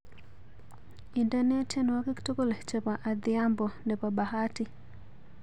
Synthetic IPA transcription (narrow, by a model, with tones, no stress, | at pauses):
i˨ndane˦te˦nwa˦ke˦kto˦ko˦le˨t͡ʃepa˨ʔa˨d̪ɪa˦mbɔ˨ne˨pa˨baha˦ti˦